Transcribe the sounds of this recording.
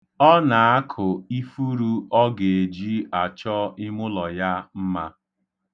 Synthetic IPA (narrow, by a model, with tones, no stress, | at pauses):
ɔ˦na˨a˦kʰʊ˨i˦fu˦ɾu˦ɔ˦ɡe˨e˨d͡ʒi˦a˨t͡ʃɔ˦ɪ˦mʊ˦lɔ˨ja˦m̩˦ma˦